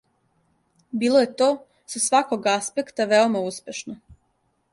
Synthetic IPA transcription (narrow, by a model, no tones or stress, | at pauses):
biːlˠoje̞t̪o̞ː | sasʋako̞ɡaspe̞kt̪aʋeomauspʲje̞ʃno